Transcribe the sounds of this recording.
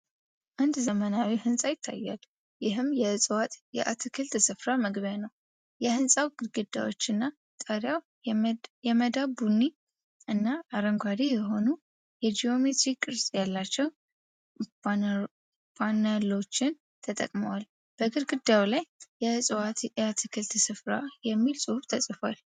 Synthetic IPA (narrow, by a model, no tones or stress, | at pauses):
ʔand̪zəmənawihɨnsʼajɪt̪ʰːa̰jːa̰l | jɪɦɨmjɛɨsʼwat̪ʼjɛ̰ʔat̪ʰɨkʰɨlt̪sɨfɾaməɡβjanəw | jɛhɨnsʼawɡɨɾɡɨd̪ːa̰wot͡ʃːɨnːa | t̪ʼəɾjaw | jɛməd̪abunːi | ʔɨnːaːɾəŋɡʷaɾijɛɦo̞nu | jɛd͡ʒijo̞me̞t̪ɾikkʼːɨɾsʼjalːat͡ʃːɛw | panalo̞t͡ʃːɪn | t̪ʰət̪ʼə̰kʼməwal | b̥əɡɨɾɡɨd̪ːawlajːɛsʼwat̪jɛat̪ʰɨkʰɨlt̪ɨsɨfɾa̰jɛmːilsʼɨhuft̪ʰəsʼɨfal